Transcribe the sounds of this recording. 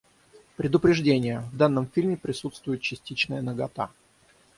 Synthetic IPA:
pɾʲɪd̪ʊpɾʲɪʐdʲenʲɪjəvd̪anːəmfʲilʲmʲɪpɾʲɪsut̪st̪vʊjɪt̪̚t͡ɕɪsʲtʲit͡ɕnəjənəɡɐt̪a̰

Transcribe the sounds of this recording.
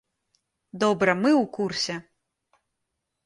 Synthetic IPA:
d̪ɔbɾɐmɨwkursʲɛ

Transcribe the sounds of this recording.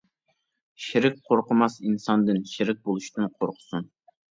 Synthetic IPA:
ʃeɾɪk̚ʲqʰoɾqʊmɑsinsɑnd̪ɨnʃɪɾɪk̚ʲbolˠuʃt̪ɨnqʰoɾqʰʊ̥sun

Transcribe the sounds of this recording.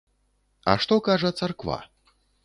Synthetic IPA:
ɐ̰ʂt̪ɔkaʐɐt̪sarkva̰

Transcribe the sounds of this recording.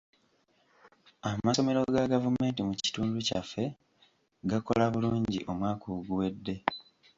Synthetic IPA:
amaso̞me̞ɾo̞ɡaɡavume̞ːntimuci̥tuːnduca̰fːe̞ | ɡako̞laβuluːɲɟiʔo̞mwaːkuɡuwe̞dːe̞

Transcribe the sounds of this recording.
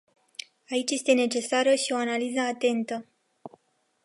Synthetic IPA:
ait͡ʃʲje̞st̪e̞ne̞t͡ʃe̞saɾəʃio̞analizəat̪e̞nt̪ə

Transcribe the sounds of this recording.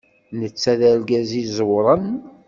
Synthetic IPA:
nət͡sːæðæɾɡæzizəwɾˤən

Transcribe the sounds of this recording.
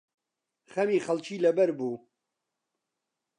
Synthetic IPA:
χɐmiːχɐlt͡ʃiːlɐbɐɾbuː

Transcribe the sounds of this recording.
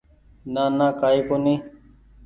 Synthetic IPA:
naːnaːkaːiːkoːnĩː

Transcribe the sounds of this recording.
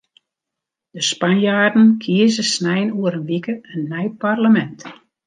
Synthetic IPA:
d̥əspanjaːrdən̩kʰiəzəsnɛjnuəɾənʋikəənːɛjparləmɛnt

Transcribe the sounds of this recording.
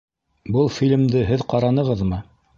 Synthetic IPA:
bɤlˠfʲilʲɘ̆md̪ɘɦɘðqɑɾɑnɤ̆ʁɤðmɤ

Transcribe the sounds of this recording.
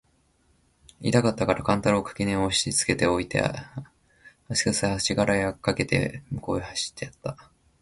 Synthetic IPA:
id̪akat̪ːakaɾakãnt̪aɾɯokʰḁkʲineoɕi̥it͡sɨ̥ke̞t̪e̞o̞it̪ḛa̰ | asi̥kɯshaɕiɡaɾajakːake̞t̪e̞̰mɯ̟ko̞ːehaɕi̥t̪ːe̞jat̪ːa

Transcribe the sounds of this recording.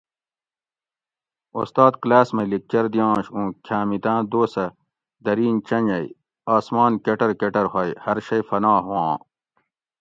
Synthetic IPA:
o̰st̪aːd̪̚klaːsmɐlik̚t͡ɕɐɾd̪ijãːɕũːkʰjaːmit̪ãːd̪oːsɐ | d̪ɐɾiːnt͡ɕɐɲɐi | aːsmaːnkeʈɐɾkeʈɐɾɦɐjhɐɾɕɐjfɐnaːɦuwãː

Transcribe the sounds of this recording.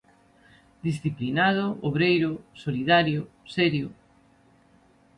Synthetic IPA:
d̪isθiplinað̞ʊoβɾejɾʊsoliðaɾjʊ | sɛɾjʊ

